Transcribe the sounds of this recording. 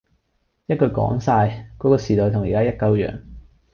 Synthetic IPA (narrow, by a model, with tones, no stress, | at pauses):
jɐ˥t̚kɵ˧ɥkɔ̰ː˨˥ŋsaː˧jkɔː˨˥kɔː˧siː˨˩t̪ɔː˨˧jt̪ʰʊ˨˩ŋjiː˨kaː˥jɐ˥t̚kɐ˧wjœ̰ː˨˩ŋ